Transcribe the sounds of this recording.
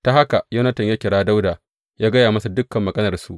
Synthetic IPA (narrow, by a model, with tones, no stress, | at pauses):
ta˨ha˦ka˨jɐ˦nɐ˦tɐ˨ɲjaː˦kʲɪ˨ɽaː˦da˦wda˨ | jaː˦ɡɐ˦jaː˨mɐ˦su˨dʊ˦kːɐ˨mːɐ˨ɡɐ˦nɐ˨rsu˦ʔ